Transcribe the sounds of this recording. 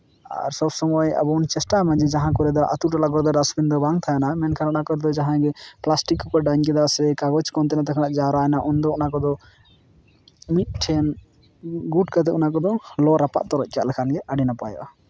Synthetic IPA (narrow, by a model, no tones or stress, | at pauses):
a̰ɾsɔbsɔmɔja̰bɔnt͡ʃɛsʈamad͡ʒid͡ʒaɦãkɔɾɛd̪ɔʔa̰t̪uʈɔlaɡɔɾd̪ɔɖasbind̪ɔbaŋt̪ʰajɛnamɛnkʰannakɔd̪ɔd͡ʒaɦãɡɛplasʈikːɔpɔɖaɲkɛd̪asɾɛkaɡɔt͡ʃkɔnt̪ɛnat̪ɛkʰanaʔd͡ʒaɾajnaʔɔnd̪ɔɔnakɔd̪ɔ | mit̪̚ʈʰɛn | ɡuɖkat̪̬ɛunakɔd̪ɔlɔɾapa̰ʔt̪ɔɾɔc̚ˀka̰ʔlɛkʰanɡɛʔaɖinapa̰jɔ̰ʔa